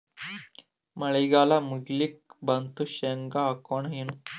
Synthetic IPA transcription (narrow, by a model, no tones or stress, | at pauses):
məɭəjɡalamuɡlik̚bənt̪uɕeŋɡaːkoɳɦinu